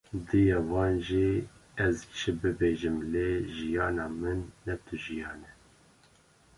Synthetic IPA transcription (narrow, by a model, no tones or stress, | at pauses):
d̪ɨjɑwɑːnʒiɛzt͡ʃʰɨbɨbeːʒɨmleʒijɑːnɑːmɨnːɛt̪ʰɨʒijɑːnɛ